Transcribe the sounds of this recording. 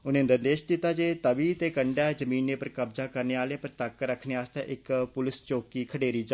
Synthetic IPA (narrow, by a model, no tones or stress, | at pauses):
ʊnẽːnd̪əɾd̪eːʃd̪ɪt̪ːaːd͡ʒeːt̪əbiːt̪eːkəɳɖɛːzəmĩːnːeːpəɾkəbzaːkəɾneːaːleːpəɾt̪akːɾəkʰːneːaːst̪ḛ̃ːʔɪkpʊlɪst͡ʃoːkiːkʰəɽeːɾiːd͡ʒa